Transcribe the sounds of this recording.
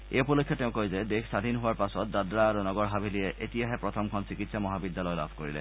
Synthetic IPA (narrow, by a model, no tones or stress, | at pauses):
ḛupɔlokʰːjɔteʊ̃kojzed̪ekʰsad̪ʱinɦoaɹpasɔt̪̚d̪ad̪ɾaːɾunɔɡɔɹɦabʱilieʔet̪ijaɦɛpɹɔt̪ʰɔmkʰɔnt͡ɕikit̪samɔɦabid̪ːalɔjla̰bʱkoɹilḛ